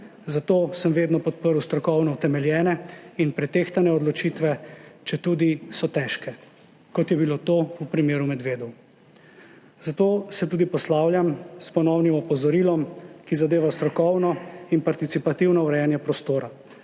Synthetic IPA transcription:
zat̪oːsəmʋeːd̪nɔpɔt̪̚pəɾuwst̪ɾɔkɔwnɔwt̪ɛmɛljɛːnɛinpɾɛt̪eːxt̪anɛɔd̪lɔt͡ʃiːt̪ʋɛt͡ʃɛt̪uːd̪isɔt̪ɛːʃkɛ | kɔt̪jɛbilot̪oupɾimeːɾumɛd̪ʋeːd̪ɔw | zat̪oːsɛt̪uːd̪ipɔslaːwljamspɔnɔwnimɔpɔzɔɾilɔmkizad̪eːʋast̪ɾɔkɔwnɔinpaɾt̪it̪sipat̪iwnɔuɾɛjanjɛpɾɔst̪oːɾa

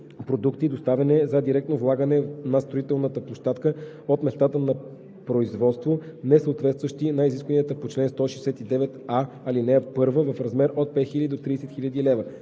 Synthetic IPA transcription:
pɾod̪ukt̪id̪ost̪avɛnɛzɐd̪iɾɛk̚t̪novlˠaɡənɛnɐst̪ɾoit̪ɛlˠnət̪əplˠoʃt̪at̪kə | ot̪mɛst̪at̪ənɐ | pɾoizvɔt̪st̪vonɛsəot̪vɛt̪st̪vəʃt̪inɐiziskvəniət̪əpot͡ʃlɛnst̪ɔʃɛjsɛt̪id̪ɛvɛt̪a | ɐlinɛpɤɾvəvəfɾɐzmɛɾot̪̚pɛt̪xilʲəd̪id̪ot̪ɾiːsɛt̪xiʎʲəd̪ilɛvə

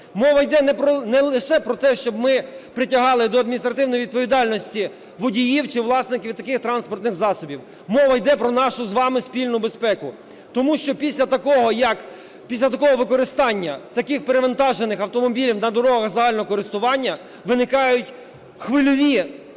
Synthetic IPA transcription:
mɔʋɐjd̪ɛnɛpɔnɛlˠɪʃɛpɾɔt̪ɛʃt͡ʃɔbmɪpɾɪtʲɐɦɑlˠɪd̪ɔɐd̪mʲinʲist̪ɾɐt̪ɪwnɔjiʋʲid̪̚pɔʋʲid̪ɑlʲnɔsʲtʲi | ʋɔdʲijiwt͡ʃɪʋlˠɑsnɪkʲiʋʲwt̪ɐkɪxt̪ɾɑnspɔrt̪nɪxzɑsɔbʲiw | mɔʋɐjd̪ɛpɾɔnɑʃʊzʋɑmɪspʲilʲnʊbespɛkʊ | t̪ɔmuʃt͡ʃɔpʲisʲlʲɐt̪ɐkɔɦɔjɐk | pʲisʲlʲɐt̪ɐkɔɦɔʋɪkɔɾɪst̪ɑnʲːɐt̪ɐkɪxpeɾeʋɐnt̪ɑʒenɪxɐwt̪ɔmɔbʲilʲiwnɐd̪ɔɾɔɦɔɐɦɐɣzɐɦɑlʲnɔɦɔkɔɾɪst̪ʊʋɑnʲːɐ | ʋɪnɪkɑjʊtʲ | xʋɪlʲɔʋʲi

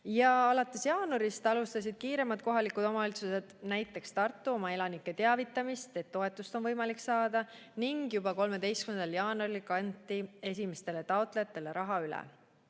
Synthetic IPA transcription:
jɑɑlɑt̪ːˑe̞sjɑːnuɾist̪ɑlust̪ɑs̬id̪̥̚kiːɾe̞mɑd̪̥̚ko̞ɦɑlikud̪̥o̞mɑolt̪suse̞d̪̥næjt̪ˑːe̞kst̪ɑrt̪ːˑuo̞mɑe̞lɑnikːe̞t̪e̞ɑvit̪ːˑɑmist̪e̞t̪ːo̞e̞t̪ːˑust̪onvɤjmɑliksɑːd̪̥ɑ | niŋɡ̥jub̥ɑko̞lme̞d̪e̞jstkymend̪ɑljɑːnuɑɾilkɑnt̪ːˑie̞s̬ʲime̞st̪e̞le̞t̪ɑot̪ˑle̞jɑt̪ːˑe̞le̞ɾʔɑɦɑylɛ̰

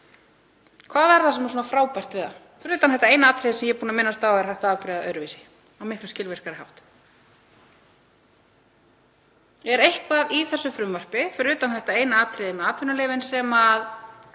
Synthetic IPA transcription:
kʰvaːðaɾθasɛms̬uːnafɾawpajr̥t̪vɪða̰ | fɾʏːt̪anθɛht̪aeːjnaaːt̪ʰɾɛðɪsɛmjɛpuːnamɪnːast̪awaɛɾ̥hajht̪aaːwkɾɪːðaʔœɥɾʏviːsɪ̥ | awmɪhklʏscɪlvɛr̥kaɾɪhawht̪ | ɛɾejhkvaːðiθɛsːʏfɾʏmvœr̥pɪfɾʏːt̪anθɛht̪aeːjnaaːt̪ʰɾɪðɪmɛðat̪vɪnaleːvɪnsɛmað

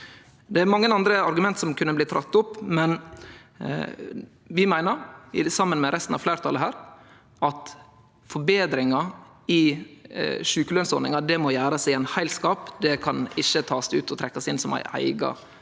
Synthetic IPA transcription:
d̪ɛæɾmɑŋːənɑnd̪ɾəɑɾɡʉmɛnt̪sɔmkʰʉnəbliːt̪ʰɾɑt̪ːʊpːmɛn | ʋɪmæɪnəɾɪsɑmːənmɛɾʔɛst̪n̩ɑ̰ʋflæɪɾət̪ʰɑləɦæːɾ | ʔɑt̪ | fɔɾbeːd̪ɾɪŋɑ | ɪ | ʂʉːkəlœnsɔɾnɪŋɑd̪ɛmojæːɾɑsæɪæɪnhæɪlskɑːpd̪ɛkʰɑnɪçːət̪ʰɑːsɪʉːt̪ʰɔt̪ʰɾɛkːɑsɪnsɔmæ̰ɪʔæ̰ɪɡɑ̰

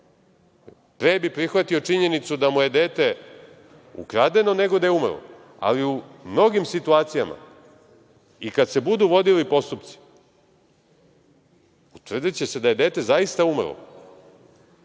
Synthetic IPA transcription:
pɾeːbipɾixʋat̪io̞t͡ʂiɲe̞nit̪sud̪amuje̞d̪e̞ːt̪e̞ | ṵkɾad̪e̞no̞ne̞ɡod̪ajeumrlo̰ | a̰liumno̞ɡimsit̪uaːt̪sijama̰ | ikad̪se̞bud̪uʋo̞d̪ilipo̞st̪upt̪si̥ | ut̪vr̩d̪it͡ɕesed̪aje̞d̪e̞ːt̪e̞zaist̪aumrlo̰

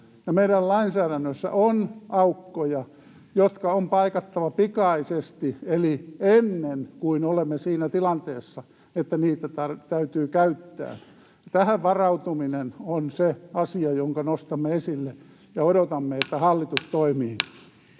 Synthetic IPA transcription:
jɑmeidællɑinsæːɾænːøsːæ̰ʔonɑukːojɑ | jot̪kɑompɑikɑt̪ːɑʋɑpikɑisest̪ielienːenkuinolemːesiːnæt̪ilɑnt̪eːsːɑ | et̪ːæniːt̪æt̪ɑt̪æyt̪yːkæyt̪ːæ̰ː | t̪æhæʋʋɑrɑut̪uminenonseɑsiɑjoŋkɑnost̪ɑmːeesilːe | jɑodot̪ɑmːeet̪ːæhɑlːit̪ust̪oimiːn

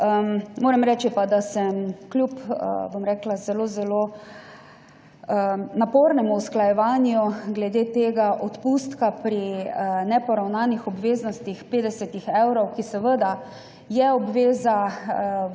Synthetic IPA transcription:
əmmoːɾɛmɾɛːt͡ʃipad̪asɛmklʲjupə̰bomɾɛːklazɛlozɛloː | napoːɾnɛmuusklajɛʋaːnjuɡlɛd̪et̪eːɡaʔɔt̪puːst̪kapɾinɛpɔɾawnaːnixɔbʋeːznɔst̪ixpeːd̪ɛsɛt̪ixɛwɾɔwkisɛʋəd̪a | jɛɔbʋeːza

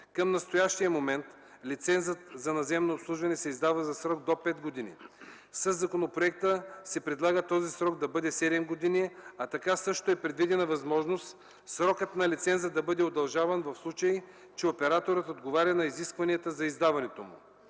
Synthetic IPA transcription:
kɐmnɐst̪ojaʃt̪ijəmomɛnt̪ | lit̪sɛnzət̪zɐnɐzɛmnoːpslˠuʒvɐnɛsɛizd̪avɐzɐsɾɔɡd̪opɛt̪ɡod̪inḭ | sɐzːɐkonopɾoɛk̚t̪əsɛpɾɛd̪lˠaɡət̪ɔzisɾɔɡd̪ɐbɤd̪ɛsɛd̪ɛmɡod̪inʲiɛɐt̪ɐkasɤʃt̪oɛpɾɛd̪vid̪ɛnɐvɐzmɔʒnost̪ | sɾɔkət̪nɐlʲit̪sɛnzəd̪ɐbɤd̪ɛod̪ɐlˠʒavɐnvɐfslˠut͡ʃɐi | t͡ʃɛopɛɾat̪oɾət̪od̪ɡovaɾʲɐnɐiziskvɐniət̪əzɐizd̪avɐnɛt̪omṵ

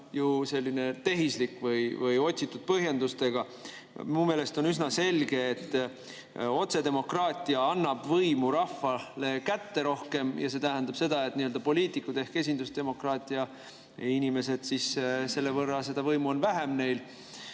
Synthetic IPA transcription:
juse̞lːine̞t̪e̞ɦislikːˑvɯjvɯjo̞t̪ʲsit̪ːˑud̪̥̚pɤɦje̞nd̪ust̪e̞ɡ̥ɑ | miume̞ːle̞st̪o̞nysnɑse̞lɡe̞ːt̪ː | o̞t̪se̞d̪e̞mo̞krɑːt̪ʲːˑiɑɑnːɑb̥vɤjmuɾɑfːɑle̞kæt̪ːe̞ɾo̞hke̞mjɑse̞t̪æɦænd̪ɑb̥se̞d̪ɑet̪niøld̪ɑpo̞liːt̪ˑikːˑud̪̥e̞hke̞s̬ʲind̪̥usd̪̥e̞mo̞krɑːt̪ʲːˑiɑ | inime̞s̬e̞d̪̥sisse̞lːevɤrːɑse̞d̪̥ɑvɤjmuo̞nvæɦe̞mne̞jl

